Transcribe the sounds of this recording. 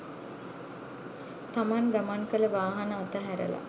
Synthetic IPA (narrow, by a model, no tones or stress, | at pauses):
t̪amaŋɡamaŋkələʋaːɦɐnəat̪əɦæɾə̰la̰